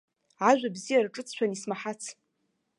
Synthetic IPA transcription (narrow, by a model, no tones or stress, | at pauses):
ʕaʒᶣʷabzijarʈ͡ʂʼɨt͡sʰʃʷᶣanismaħat͡sʰ